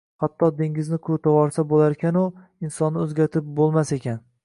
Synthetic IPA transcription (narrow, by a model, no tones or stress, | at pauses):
hat̪ʰːɒd̪ɪŋʲɪznɪkʰɵɾt̪ʰawɒɾsabolaɾkʲanʊ | ɪnsɒnːɪɵzɡʲaɾt̪ʰɪp̚bolˠmase̞kʲʰan